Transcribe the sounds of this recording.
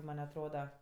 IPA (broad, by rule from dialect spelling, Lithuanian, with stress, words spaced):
ˈmɐnʲ ɐtˈroːdɐ